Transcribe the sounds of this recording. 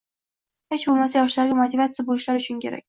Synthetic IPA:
het͡ʃbolˠmasajɒʃlaɾɡʲamot̪ʰɪvat̪sjabolɪʃlaɾʊt͡ʃʰʊnkʲʰe̞ɾa̰kʲ

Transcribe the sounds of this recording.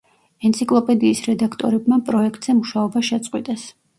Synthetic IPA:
ɛnt̪sʰikʼlˠɔpʼɛd̪iːsɾɛd̪akʰt̪ʼɔ̰ɾɛbmapʼɾɔɛkʰt̪ʼz̥ɛmuʃaɔbaʃɛt̪sʼqʼwit̪ʼɛs

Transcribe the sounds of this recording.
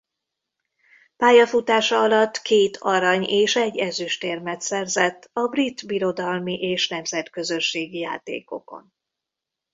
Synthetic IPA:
paːjɒfut̪aːʃɒɒlɒt̪ːkeːt̪ʰɒɾɒɲeːʃɛɟːɛzyʃt̪ermɛt̪sɛrzɛt̪ːɒbrit̪biɾo̞d̪ɒlmiʔeːʃnɛmzɛt̪kø̞zø̞ʃːeːɡija̰ːt̪ḛːko̞̰ko̞̰n

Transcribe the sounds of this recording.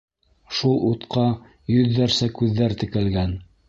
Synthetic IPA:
ʃulˠut̪qʰɑ | jɵðːæɾsækʉðːæɾt̪ɘ̆kælɡæn

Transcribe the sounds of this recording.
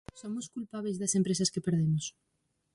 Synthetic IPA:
somʊskulpaβezðɐsempɾesɐskepeɾðemʊs

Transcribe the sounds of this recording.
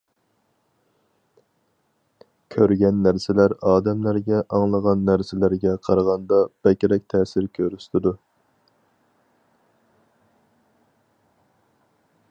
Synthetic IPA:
kʲʰøɾɡʲɛnːæɾsɪlæɾɑːd̪ɛmlæɾɡʲɛʔɑŋlˠəʁɑnːæɾsɪlæɾɡʲɛqʰɑɾʁɑnd̪ɑb̥ɛkʲɾɛk̚ʲt̪ʰɛːsɪɾkʲʰøɾyst̪ʰɪd̪u

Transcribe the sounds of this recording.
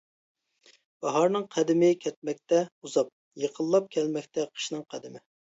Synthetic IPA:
b̥ɑɦɑɾnɨŋqʰæd̪ɪmɪkʲʰɛt̪̚mɛk̚ʲt̪ɛuzɑp̚ | jeqʰəlˠːɑp̚kʲʰɛlmɛkʲt̪ɛqʰə̥ʃnɨŋqʰæd̪ɪmɪ

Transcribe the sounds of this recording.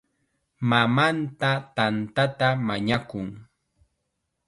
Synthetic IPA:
mamant̪at̪ant̪at̪amaɲakʊŋ

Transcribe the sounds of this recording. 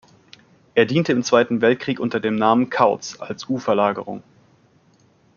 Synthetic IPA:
ʔeːɐdiːntəɪmt͡sv̥aɪtn̩vɛlt̚kʁ̥iːkʔʊntɐdeːmnaːmənkʰaʊt͡sa̰lsʔuːfɛɐlaːɡəʁ̞ʊ̰ŋ

